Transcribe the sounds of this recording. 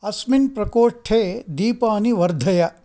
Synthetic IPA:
ɐsminpɾɐkoːʂʈʰeːd̪iːpaːniʋɐɾd̪ʱɐjɐ

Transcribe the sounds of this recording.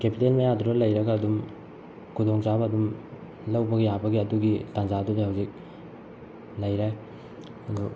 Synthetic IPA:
kepitelmɐjaduɾɐlɐjɾɐɡaːdum | kʰudoŋt͡ʃabɐːdum | lɐwbɐɡijabɐɡiɐduɡitand͡ʒadudɐhawzik̚ | lɐjɾaj | ɐdu

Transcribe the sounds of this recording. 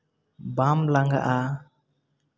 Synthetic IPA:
bamlaŋɡa̰ʔa

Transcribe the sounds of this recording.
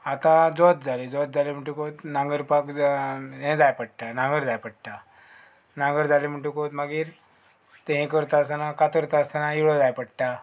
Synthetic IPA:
at̪ãd͡zɔt̪̚d͡zʱaled͡zɔt̪̚d͡zalem̤əɳʈ̬ukot̪nãŋɡəɾpakɦɛ̃d͡zajpəɽʈanãŋɡəɾd͡zajpəɽʈa | nãŋɡəɾd͡zalem̤əɳʈ̬ũkot̪maɡiːɾ | t̪ẽɦɛ̃kəɾt̪aəsanakat̪əɾt̪aəsanaiɭɔd͡zajpəɽʈa

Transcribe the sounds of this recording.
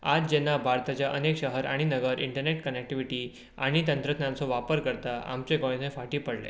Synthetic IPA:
ad͡zd͡ʑenːabʱaɾt̪at͡ɕjaʔənekɕəɦəɾaɽ̃inəɡəɾʔiɳʈəɾneʈkənek̚ʈiʋiʈiː | aɽ̃it̪ənt̪ɾət̪njamt͡sɔʋapəɾkəɾt̪aʔa̰mt͡ɕekɔɭ̃ẽsẽfaʈiːpəɽlḛ

